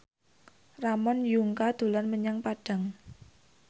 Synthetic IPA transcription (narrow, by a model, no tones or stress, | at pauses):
ramɔnjuŋkad̪̥ṳlanməɲaŋpaɖ̥a̤ŋ